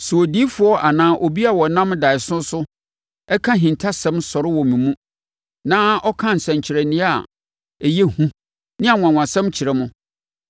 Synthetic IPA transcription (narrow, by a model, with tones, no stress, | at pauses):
sʊ˨ɔ˨di˦fʊ˦ɔ˦ʔa˨nãː˦ʔo˨bi˦a˨wɔ˨nã˦mda˨ɪ˨sʊ̃˦sʊ˦ | ɛ˦kʰã˦ɦĩ˨ntʰa˦sɛ̃˦msɔ˨ɾɪ˦wɔ˨mĩ˨mũ˦ | nãː˦ɔ˦kʰã˦n̩˨sɛ̃˨ɲ˨t͡ɕʰɪ˨ɾɛ˨nɪ̃˦a˨ | ɛ˨je˦hũ˦ | nɪ̃˦a˨ŋʷ˨ã˨ŋʷwã˨sɛ̃˦mt͡ɕʰɪ˨ɾɛ˨mʊ̃˦